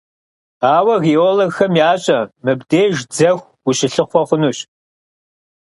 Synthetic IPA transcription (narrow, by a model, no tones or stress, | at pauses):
aːwɐɣioːloɡxɐmjaːɕʼɐmɨbdeːʒd͡zɐxʷ | uɕɪɬɨχʷɔχʷʊnuːɕ